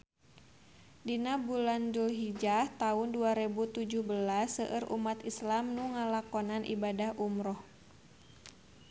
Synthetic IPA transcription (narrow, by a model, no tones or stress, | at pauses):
dinabulandulɦid͡ʒaht̪aʊnduaɾebut̪ud͡ʒuhbəlasːəʔərʔṵmat̪islamnuŋalakɔnanʔḭbadahʔumɾɔh